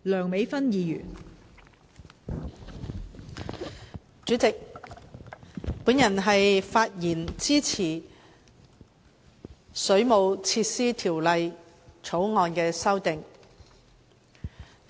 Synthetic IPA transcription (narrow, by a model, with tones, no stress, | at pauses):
lœː˨˩ŋme˨˥jfɐ˥njiː˨˧jy̰ː˨˩n | t͡ʃyː˨˥t͡sɪ˨k̚ | puː˨˥njɐ˨˩nɦɐ˨jfaː˧t̚jiː˨˩nt͡siː˥t͡sʰiː˨˩ | sɵ˨˥ɥmo˨˧wt͡sʰiː˧t̚siː˥t̪ʰiː˨˩wlɐ˨j | t͡sʰo˨˥wŋɔː˧nkɛː˧sɐ˥wt̪ɪ˨ŋ